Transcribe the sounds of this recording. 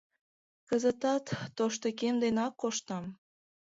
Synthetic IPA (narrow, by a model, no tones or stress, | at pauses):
kəzət̪ɑt̪ːoʃt̪okemd̪enɑkːoʃt̪ɑm